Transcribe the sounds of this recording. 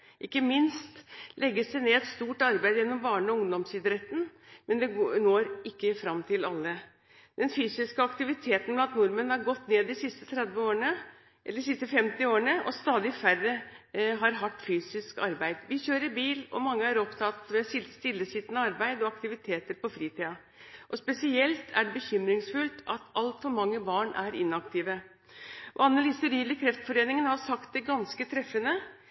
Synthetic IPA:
ʔɪkːəmɪnst̪lʔɛɡːəsd̪ɛneːɛt̪st̪uːʈɑɾbæɪd̪jɛnːɔmbɑːɳəɔʊŋd̪ɔmsɪd̪ɾɛt̪ːn̩mɛnd̪ɛnoːɾɪkːəfɾɑmːt̪ʰɪlɑlːə | d̪̥ɛnfyːsɪskəɑkt̪ɪʋɪt̪ʰeːt̪ən̩mlɑnt̪nʊɾmɛnhɑɾɡɔt̪ːneːd̪ɪsɪst̪ət̪ʰɾɛd̪ʋəoːəɳə | ɛːəsɪst̪əfɛmt̪ɪoːəɳəʔɔ̰st̪ɑːd̪ɪfærːəɦɑɾɦɑt̪ːfyːsɪskɑɾbæɪd̪ʋɪçøːɾəɾbiːlɔ̰mɑŋːəæɾɔpt̪ʰɑt̪mɛsɪlst̪ɪlːəsɪt̪ənəɑɾbæɪd̪ɔɑkt̪ɪʋɪt̪ʰeːt̪əɾpɔfɾiːt̪ʰiːɑ | ʔɔspɛsɪɛlt̪ʰæɖɛbəçʏmɾɪŋsfʉlt̪ɑt̪ʰɑlt̪fɔɾmɑŋːəbɑːɳæɾɪ̰nːɑkt̪ʰiːʋə | ʔɑnːəliːsəɾiːləkʰɾɛft̪fɔɾeːnɪŋənhɑɾsɑkt̪̚d̪ɛɡɑnskət̪ʰɾɛfːənə

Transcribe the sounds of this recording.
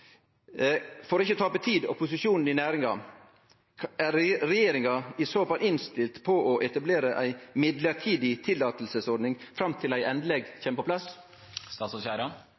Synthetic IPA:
fɔɾoːɪçət̪ʰɑːpət̪ʰiːd̪ɔ̰pʰʊsɪʃuːnn̩ɪnæːɾɪŋɑ | æɾɾɛjeːɾɪŋɑɪsoːfɑlɪnst̪ɪlt̪pʰɔʔɔʔɛt̪ɑbleːɾəʔæ̰ɪmɪd̪ləɾʈʰiːd̪ɪt̪ʰɪlːɑːt̪l̩səsɔɾɖ̪nɪŋfɾɑmt̪ʰɪlæɪʔɛnd̪lɛɡçɛːməpɔplɑs | st̪ɑːt̪sɔçæːɾɑ

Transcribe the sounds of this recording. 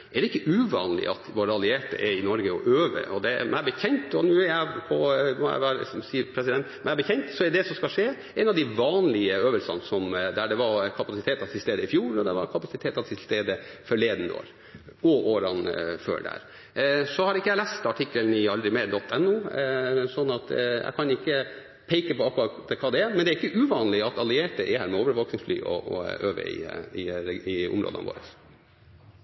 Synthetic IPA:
ɛd̪ɛɪkːəʔʉʋɑ̰ːnlɪ̰ʔɑ̰t̪ʋoːɾəɑlɪeːʈə̰ʔɛɾɪnɔɾɡəɔʔøːʋə̰ʔɔd̪ɛmæbəçɛɲt̪ɔnʉːɛɾjæɪpʰɔmɔjæ̰ɪʋæːɾsmsiːpʰɾɛs̬ɪd̪ɛnt̪mæɪbəçʰɛɲt̪sɔɛɖ̪ɛsɔmskɑlʂeː | ɛnɑʋd̪ɪʋɑːnlɪəøːʋəlsɑ̰nsɔmd̪æɖɛʋɑɾkʰɑpɑsɪt̪ʰeːt̪ɑt̪ʰɪlst̪eːd̪əɪfjuːɾɔd̪ɛ̰ʋɑ̰ɾkʰɑpɑsɪt̪ʰeːt̪ɑt̪ʰɪlst̪eːd̪əfɔɭeːd̪nd̪o̰ːɾ | ɔʔoːɾɑnfø̰ːɖæ̰ɾ | sɔhɑɾɪkːəjæɪlæːst̪ɑʈʰɪkːəlnɪɑld̪ɾɪmeːɾɖɔt̪ʰːɛnːuːsɔnːɑt̪jæ̰ɪkʰɑnɪkːə | pʰeɪkəpɔɑkːɾɑt̪ɛkʰɑːd̪ɛɛɾmɛnd̪ɛæɾɪkːəʔʉːʋɑːnlɪɑt̪ɑlɪeːʈəʔɪhæːɾmɛoːʋəɾʋoːknɪŋsfly̰ːʔɔ̰ɔø̰ːʋə̰ɪ̰ɪɛɪʊ̰mɾo̰d̪ə̰nʋo̰ːɾə̰s

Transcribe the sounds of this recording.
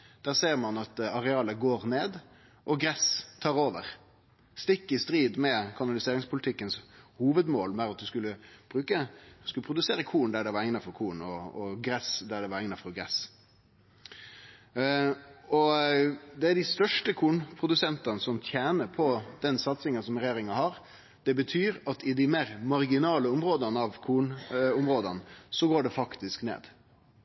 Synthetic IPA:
d̪̥æːɾseːɾmɑnɑt̪ɑɾɛɑːləɡoːɾneːd̪ | ʔɔɡɾɛst̪ʰɑːɾoːʋəɾ | st̪ɪkːəɪst̪ɾiːd̪mɛkʰɑnɑlɪseːɾɪŋspʰʊlɪt̪ʰɪkːənshuːʋəd̪moːlmɛɾɑt̪̚d̪ʉskʉlːəb̥ɾʉːkəskʉlːəpʰɾʊd̪ʉseːɾəkʰuːnd̪æɖɛɪʋɑɾɛŋnɑfɔɾkʰuːnɔɔɡɾɛsd̪æɖɛʋɑɾɛŋnɑfɔɾɡɾɛs | ɔ | d̪ɛæd̪ɪst̪œʂʈəkʰuːnpʰɾʊd̪ʉsɛnt̪ɑnəsɔmt̪ʰjæːnəɾpʰɔd̪̥ɛnsɑt̪sɪŋənsɔmɾɛjeːɾɪŋɑhɑɾ | d̪̥ɛbət̪ʰyːɾɑt̪ɪd̪ɪmeːɾmɑɾɡɪnɑːləʊmɾoːd̪ɑnəɑʋkʰuːnʊmɾoːd̪ɑnsɔɡoːɖɛfɑkt̪ɪsknḛːd̪̥

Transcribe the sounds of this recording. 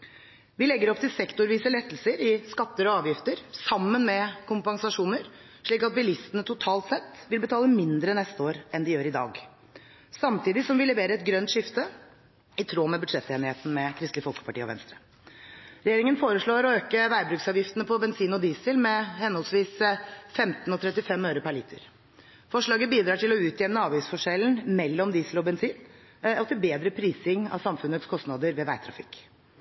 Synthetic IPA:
ʋɪlɛɡːəɾɔpt̪ʰɪlsɛkt̪ʊɾʋiːsəlɛt̪ːəl̩səɾɪskɑt̪ːəɾɔɑːʋjɪft̪əɾsɑmːənmɛkʰʊmpɑŋsɑʂuːnəɾ | ʂɭiːkɑt̪̚bɪlɪst̪ənət̪ʰʊt̪ʰɑːlt̪sɛt̪ːʋɪlbət̪ʰɑːləmɪnd̪ɾənɛst̪əoːɾɛnd̪ɪjøːɾɪd̪ɑ̰ːɡ | sɑmt̪ʰiːd̪ɪsɔmʋɪlɛʋeːɾəɛt̪̚ɡɾœnt̪ʂɪft̪ə | ɪt̪ʰɾoːmɛbʉd̪ʂɛt̪ːeːnɪheːt̪n̩mɛkʰɾɪst̪lɪəfɔlkə̥pɑʈiːɔ̰ʋɛ̰nst̪ɾə | ɾɛjeːɾɪŋənfoːɾəʂɭoːɾɔøːkəʋæɪbɾʉːksɑːʋjɪft̪ənəpʰɔbɛnsiːnɔd̪iːsəlmɛhɛnhɔlsʋiːsfɛmt̪ənɔt̪ʰɾɛt̪ːɪfɛmøːɾəpʰæɭiːt̪ʰə̰ɾ | fɔʂɭɑːɡəbiːd̪ɾɑːʈʰɪlɔʉːt̪ʰjɛnnəɑːʋiːsfɔʂɛlnmɛlːɔmd̪iːsəlɔbɛnsiːn | ɔt̪ʰɪlbeːd̪ɾəpʰɾiːsɪŋɑ̰sɑmfʉnːət̪skʰɔst̪nɑd̪əɾʋɛːʋæɪt̪ʰɾɑ̰fɪ̰k

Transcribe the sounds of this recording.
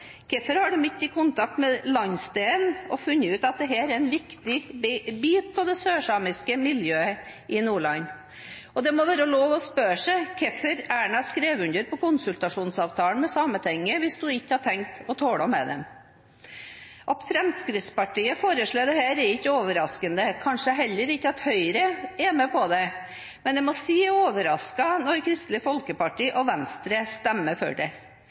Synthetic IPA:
kʰɛfəɾhɑɖʉmɪt̪ːɪkʰʊnt̪ʰɑk̚t̪mɛlɑɲst̪eːlɔfʉnːəʉːt̪ɑt̪̚d̪ɛɦæːɾɛɾɛnʋɪkt̪ɪbiːt̪̚pʰɔd̪ɛsøːʂɑːmɪskəmɪljøːə | ʔɪnuːɭɑnː | ɔd̪ɛmɔʋæːɾəɔloːʋɔspøːʂæɪkʰɛfəɾæːɳɑskɾeːʋʉnd̪əɾpɔkʊnsʉlt̪ɑʂuːnsɑːʋt̪ʰɑːlənmɛsɑmət̪ʰɛŋːəʋɪsd̪ʉɪçːəhɑʈʰɛŋkt̪ɔt̪ʰoːɽɔmːɛ̰d̪ɛ̰m | ʔɑt̪fɾɛmskɾɪt̪spɑʈiːəfoːɾəʂɭoːd̪ɛhæːɾɛɾɪçːəoːʋəɾɑskənd̪əkʰɑnʂəɦɛlːəɾɪçːəɑt̪hœʏɾəɛmɛpʰɔd̪ɛ | mɛnd̪ɛmɔsiːoːʋəɾɑskɑnɔɾkʰɾɪst̪lɪfɔlkəpɑʈiːʔɔʋɛnst̪ɾəst̪ɛmːəfø̰ɖɛ

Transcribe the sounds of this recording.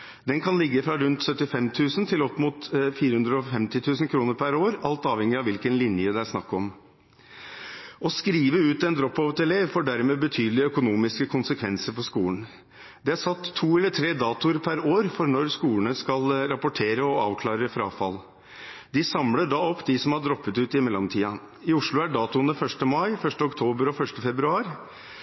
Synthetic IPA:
d̪ɛnkʰɑnlɪɡːəfɾɑɾʉnt̪sœt̪ːɪfɛmt̪ʰʉːsənt̪ʰɪlɔpːmuːt̪fiːɾəhʉnd̪ɾəɔfɛmt̪ɪt̪ʰʉːsənkʰɾuːnəɾpʰæɾoːɾɑlt̪ɑːʋhɛŋɪɑʋɪlkənlɪnjəd̪ɛæɾʂnɑkːɔm | ɔskɾiːʋəʉːt̪ɛnd̪ɾɔpːoːʋət̪ɛleːʋfoːɖæɾmeːbət̪ʰyːd̪əlɪœkʊnuːmɪskəkʰʊnsəkʰʋɛnsəɾfɔʂkuːlən̩ | d̪ɛæɾsɑt̪ʰːuːɛlːət̪ʰɾeːd̪ɑːt̪ʊɾpʰæɾoːɾfɔɾnɔɾskuːənəskɑlɾɑpʊʈʰeːɾəɔɑːʋkʰlɑːɾəfɾɑːfɑl | d̪ɪsɑmləɖɑːɔpːd̪ɪsɔmhɑɖɾɔpːət̪ʉːt̪ɪmɛlːɔmt̪ʰiːɑ | ɪʊʂɭʊæɖɑːt̪ʊənəfœʂʈəmɑɪfœʂʈəɔkt̪ʰoːbəɾɔfœʂʈəfɛbɾʉɑːɾ

